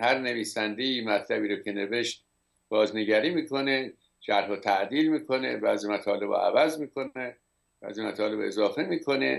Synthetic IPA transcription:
hæɾne̞viːsænd̪ejiːmæt̪ʰlæbiːɾoːcʰe̞ne̞veʃt̪̚ | b̥ɒːzneɟæɾiːmiːkʰo̞ne | ʃæɾɦot̪ʰæʔd̪iːlmiːkʰo̞ne̞bæːzimæt̪ʰɒːle̞bɒ̰ʔæ̰væzmiːkʰo̞e | b̥æ̰ːzimæt̪ʰɒːle̞be̞zɒːfe̞miːkʰo̞ne̞̰

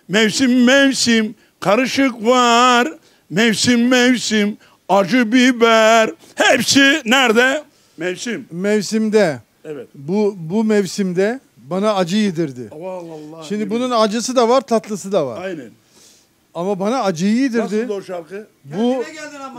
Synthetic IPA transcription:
mɛvsimːɛvsim | kʰaɾɯʃɯkvaɾ | mɛvsimːɛvsim | ad͡ʒɯbibæɾ | hepsinæɾd̪ɛ | mɛvsimmɛvsimd̪ɛ | ɛvɛt̪bubumɛvsimd̪ɛ | banaːd͡ʒɯjed̪iɾd̪ɪ | ʃimd̪ibununad͡ʒɯsɯd̪avaɾt̪ʰat̪lˠɯsɯd̪ava̰ɾjnɛn | amabanaːd͡ʒɯjjed̪iɾd̪ɪʃaɾkɯ | bu

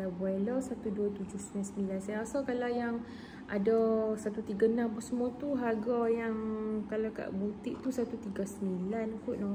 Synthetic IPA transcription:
abualasat̪uduat̪ud͡ʒʊhsəmansəmilansajasakalajaŋ | ʔadasat̪ut̪iɡanampusəmuat̪uɦaɡajaŋkalaka̰ʔbut̪iʔt̪usat̪ut̪iɡasəmilanpuʔnɔ

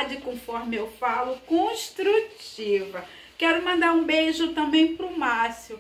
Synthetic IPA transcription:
d͡ʒɪkõfɔɾmɪewfalʊkõʃt̪ɾut͡ʃivɐ | kɛɾʊmɐ̃nd̪aɾũbejʒʊt̪ɐ̃bẽj̃pɾʊmasʊ

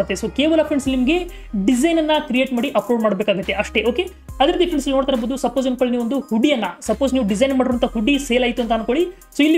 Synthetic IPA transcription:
t̪ːesoːkeːʋɐlɐpʰɾeɳɖsnimɡe̞ | ɖid͡ʒɐjnɐnːɐkɾije̞ːʈmaːɽiʔɐpɾoɖmaːɽbeːkaːɡut̪ːe̞ʔɐʂʈe̞o̞ːke̞ | ɐd̪ɐɾiːt̪iɐpʰɾeɳsilinoːɽt̪aːɾboːd̪usɐpːoːzɐmkɐɭniːʋond̪uhuɖːijɐnːɐsɐpːoːzniːʋɖizɐjnmaːɽiɾoʋɐnt̪ɐɦuɖiseːlaːjt̪uɐnt̪ɐːnkoɭi | soːilːi

